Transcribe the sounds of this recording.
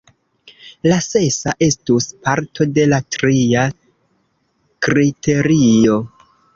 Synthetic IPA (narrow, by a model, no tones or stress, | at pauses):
lase̞saʔe̞stuspaɾtʰo̞de̞latɾia | kɾitʰe̞ɾio̞